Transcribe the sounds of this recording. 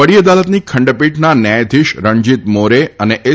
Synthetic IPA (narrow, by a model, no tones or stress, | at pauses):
əɽijəd̪alət̪nikʰə̃ɳɖəpiʈnanɛjd̪ʱiʃɾəɲd͡ʒit̪moɾeəneʔe